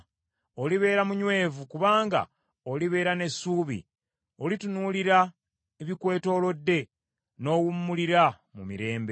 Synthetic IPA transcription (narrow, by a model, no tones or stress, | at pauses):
oliβe̞ːɾamuɲwe̞ːvukuβaːŋɡa̰ | oliβe̞ːɾane̞sːuːβḭ | olitunuːliɾa | eβikwe̞ːto̞ːlo̞dːe̞ | no̞ːwumːuliɾa | mumiɾe̞ːmbe